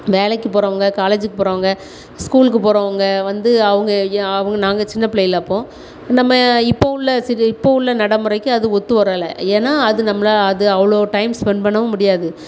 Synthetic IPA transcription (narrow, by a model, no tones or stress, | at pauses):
ʋeːlɐkːɯpoːɾɐʋɐŋɡɐkaːleːd͡ʒɯkːɯpoːɾɐːɐŋɡɐ | skuːlk̬ːɯpoːɾɐːʋɐŋɡɐʋɐnd̪ɯɐʋɐŋɡɐɐʋɐŋɡɐnaːŋɡɐt͡ʃɪnːɐpɪɭɛjɪlɐɐpːõː | nɐmːɐɪpːoɪlːɐsɪɾɪpːoɪlːɐnɐɽɐmɯɾɐɪkːɯ̃ɐðɯɔt̪ːɯʋɐɾɐːlɐ̰eːnːaːɐðɯnɐmːɐlaːɐðɯɐʋɐɭoːʈɐɪmspɛɳpɐɳːɐʋɯ̃mʊɽɪjaːðɯ